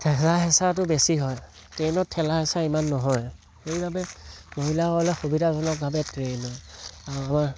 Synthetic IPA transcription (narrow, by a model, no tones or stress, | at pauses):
tʰɛlaɦɛsat̬ʊbesiɦɔj | tɹenɔtʰɛlaɦɛsaimanːɔɦɔj | xeibʱabɛmoɦilaɔlɛxobidazɔnɔk̚bʱabɛtɹenɔjaɹuamaɹ